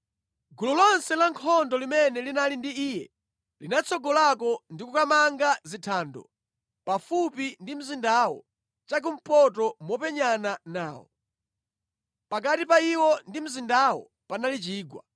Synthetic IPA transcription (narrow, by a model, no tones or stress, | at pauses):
ɡululɔnsɛlaŋkʰɔndɔlimɛnɛlinalindiiːjɛ̰ | linat͡sʰɔɡɔlakɔndikukamaŋɡazitʰaːndɔ̰ | pafupindim̩zindawɔ̰ | t͡ʃak̬um̩pɔt̬ɔmwɔpɛɲananaːwɔ̰ | pakatipaiwɔndim̩zindawɔ̰ | panalit͡ʃiːɡwa̰